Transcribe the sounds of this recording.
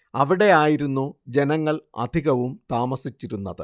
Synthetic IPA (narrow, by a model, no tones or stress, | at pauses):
ɐʋiɽe̞aːjiɾunːud͡ʑe̞nɐŋːɐɭɐ̰d̪ʱiɣɐʋumt̪aːmɐsit͡ɕːiɾunːɐðɨ